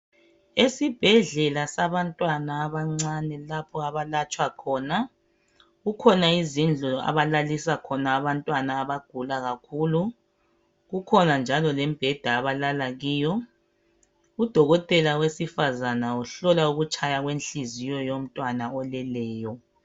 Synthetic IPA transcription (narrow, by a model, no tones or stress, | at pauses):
esib̥ʱɛɮɛlasaβantʼwanaːβaŋ͡ǀanɛlapʰɔaβalat͡ʃʼwakʰɔna | ɣukʰɔnaizind͡ɮʱɔa̰βalalisakʰɔnaːβantʼwanaːβaɡ̥ʱulaɣakʰulu | ɣukʰɔnand͡ʒʱalɔlɛmb̥ʱɛd̥ʱaːβalalaɣiːjɔ | ud̥ʱɔɣɔtʼɛlawesifazanauɬɔlauɣut͡ʃʰʼajaɣwent͡ɬizijɔjom̩tʼwanaɔlɛlɛːjɔ